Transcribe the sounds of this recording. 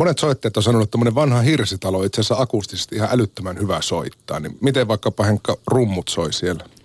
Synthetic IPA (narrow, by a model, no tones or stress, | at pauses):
monet̪soit̪ːeːt̪onsɑnonut̪t̪ːomːoneʋʋɑnhɑhirsit̪ɑloit̪sesːæɑkust̪ise̥st̪iihɑʔælyt̪ːømænhyʋæsoit̪ːɑ̰ːnḭmit̪eʋʋɑˑikːɑpɑheŋkːɑrumːut̪soisielːæ